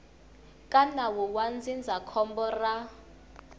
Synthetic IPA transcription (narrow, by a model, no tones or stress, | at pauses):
kʼanawuwand͡zind͡zʱakʰɔmbɔra